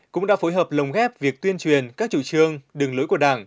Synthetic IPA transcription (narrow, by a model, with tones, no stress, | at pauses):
kʊ̰˧˥ŋ͡mɗa̰ː˧˥fo˨˦jɦəː˨˩p̚lə˨˩wŋ͡mɣɛ˦˥p̚vi˨˩ək̚t̪wi˧ənt͡ɕwi˨˩ənkaː˦˥k̚t͡ɕu˧˩t͡ɕɨ˧əŋɗɨ˨˩ŋlo˨˦jku˧˩əɗaː˧˩ŋ